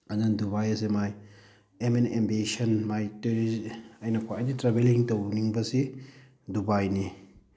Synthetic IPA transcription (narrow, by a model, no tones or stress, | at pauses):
ɐnanduβajɐs̬emaj | emenembesɐnmajteɾiɐjnɐkʰaajditɾabeliŋtowniŋbɐsi | dubajni